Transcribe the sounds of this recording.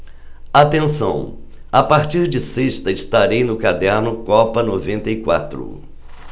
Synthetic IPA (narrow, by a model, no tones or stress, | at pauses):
at̪ẽsɐ̰̃w̃ | apaɾt͡ʃiɾd͡ʒɪseʃt̪ɐɪst̪aɾejnʊkad̪ɛɾnʊkɔpɐnovẽnt̪ɐjkwa̰t̪ɾʊ̰